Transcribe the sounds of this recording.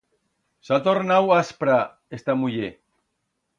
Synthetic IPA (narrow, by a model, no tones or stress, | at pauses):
sat̪oɾnawaspɾa | est̪amuʎe